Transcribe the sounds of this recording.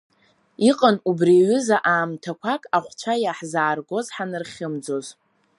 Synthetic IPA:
iqʼənubriɥʏzaʔaːmtʰakʷʰakʼaχʷt͡ʃʷʰajaħzaːrɡo̞zħanɨrχʲɪmd͡zo̞z

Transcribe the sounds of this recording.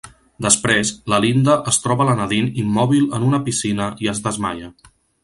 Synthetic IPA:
d̪əspɾezləlind̪əʔəst̪ɾɔβələnəðinimːɔβilˠənunəpisinəiəzðəzma̰ʎə

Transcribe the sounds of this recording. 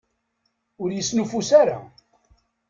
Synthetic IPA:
ʊɾjəsːnufusaɾa

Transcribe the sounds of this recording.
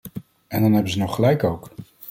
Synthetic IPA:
ɛndɑnɦɛbənzənɔχəlɛjkowk

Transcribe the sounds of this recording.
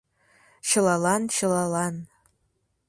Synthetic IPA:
ʃɪlalanʃɪlalan

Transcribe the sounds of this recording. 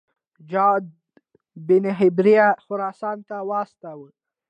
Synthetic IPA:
d͡ʒɑd̪̚ | bɪnɪɦɪbɾijaxʊɾɑsɑnt̪awɑst̪awə

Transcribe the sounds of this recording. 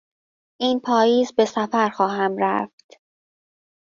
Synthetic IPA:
ʔiːnpʰɒːjiːzbe̞sæfæɾxɒːɦæmɾæ̰ft̪

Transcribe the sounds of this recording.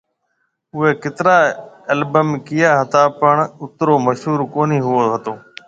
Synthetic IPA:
ʊeːkɪt̪ɾaːəlbəmkɪjaːɦət̪aːpəɳʊt̪ɾoːməʃɦuːɾkoːniːɦʊoːɦət̪oː

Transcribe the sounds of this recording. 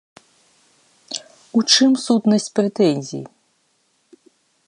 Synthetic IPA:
ut͡ʂɨmsut̪nɐsʲt͡sʲpɾɛt̪ɛnʲzʲḭj

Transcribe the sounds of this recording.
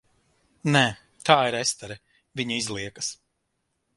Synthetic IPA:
nɛ | t̪ʰaːiɾɛst̪ɛɾɛ | vʲiɲuizlˠiɛkɐs

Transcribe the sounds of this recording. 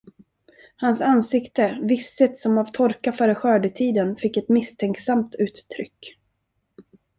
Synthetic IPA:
hansansɪkt̪əvɪsːət̪sɔmavt̪ʰɔɾkafœːɾəɧœːɖət̪ʰiːd̪ənfɪkːɛt̪mɪst̪ʰɛŋksamt̪ʉ̟ːt̪ːʰɾʏ̰kː

